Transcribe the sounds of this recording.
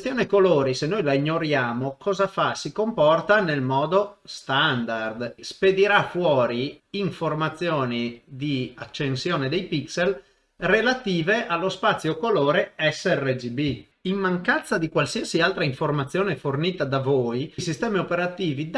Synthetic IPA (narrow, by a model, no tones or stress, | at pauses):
st̪joːnekoloːɾisenːojlaiɲːoɾjaːmokʰɔːzafasikompɔrt̪anelmɔːd̪ost̪and̪ard̪sped̪iɾafwɔːɾiiɱformat̪sːjoːnid̪iat͡ʃːensjoːned̪ejpiksel | relat̪iːveʔalːospat̪sːjokoloːɾeɛsːɛred͡ʒibi | imːaŋkant̪sad̪ikwalsiasialt̪ɾaiɱformat̪sːjoːneforniːt̪ad̪avoːjsist̪ɛːmiopeɾat̪iːvid̪